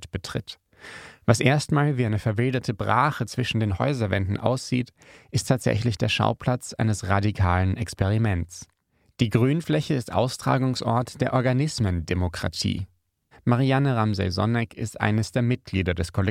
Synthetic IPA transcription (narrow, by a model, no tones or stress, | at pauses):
tb̥ətʁ̥ɪ̰t | v̥asʔeːɐstmaːlviːaɪnəfɛɐvɪldɐtʰəbʁa̰ːχət͡sv̥ɪʃn̩deːnhɔ̰ʏzɐvɛndn̩ʔa̰ʊsz̥iːtʔɪstʰaːtz̥ɛ̰çlɪçd̥eːɐʃa̰ʊpʰl̥at͡sʔaɪnəsʁadikʰaːlənʔɛkspɛʁ̞imɛntt͡s | d̥iːɡʁyːnflɛçəɪstʔa̰ʊstʁ̥a̰ːɡʊŋsʔɔ̰ɐtd̥eːɐʔɔɐɡanɪsməndemokʁ̥a̰tʰḭː | maʁianəʁamzɛ̰zɔ̰nɛkʰɪ̰stʔa̰ɪnəsd̥eːɐmɪt̚ɡ̥liːdɐdɛskʰɔlɛ